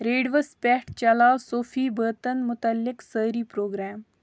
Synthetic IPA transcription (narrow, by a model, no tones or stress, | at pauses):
ɾeːɖʋəspɛːʈt͡ʃɐlaːwsoːfʰiːbəːt̪ənmʊt̪ɐlːɪksəːɾiːpɾoːɡɾɛːm